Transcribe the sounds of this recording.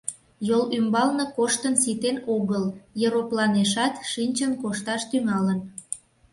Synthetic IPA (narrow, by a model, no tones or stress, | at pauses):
jolymbɑlnəkoʃt̪ənsit̪enoɣəljəɾoplɑneʃɑt̪ʃinʲt͡ɕənkoʃt̪ɑʃt̪yŋɑlən